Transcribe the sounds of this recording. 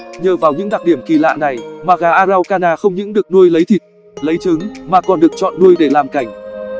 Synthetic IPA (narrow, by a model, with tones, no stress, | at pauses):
ɲəː˨˩vaː˨˩wɲɨ̰˧˥ŋɗa˨˩ɗi˧˩əmki˧˩la̰ː˧˨na˨˩jmaː˨˩ɣaː˨˩ʔaː˧za˧wkaː˧naː˧xə˧wŋ͡mɲɨ̰˧˥ŋɗɨ˨˩ək̚nu˧əjlə˨˦jt̪ʰi˨˩t̚ | lə˨˦jt͡ɕɨ˨˦ŋmaː˨˩kɔ˨˩nɗɨ˨˩ək̚t͡ɕɔ̰˧˨nːu˧əjɗe˧˩laː˨˩mka˧˩jŋ̟